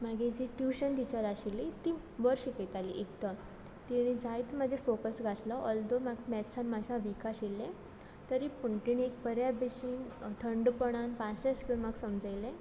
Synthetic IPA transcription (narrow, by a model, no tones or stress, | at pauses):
maɡed͡ʑiʈjuɕənd̪it͡ɕaɾaɕilit̪i | bəɾɕikət̪aliʔekd̪ə | t̪iɽ̃ĩd͡zʱajt̪mad͡ʑʱefokəsɡʱat̪lɔʔɔld̪omaɡmɛtsanmad͡ʑʱãʋikaɕilːẽ | t̪əɾipuɳʈiniek̚pəɾjabeɕiːnt̪ʰəɳɖpəɽ̃anpasaskinmaɡsəmd͡zəjlẽ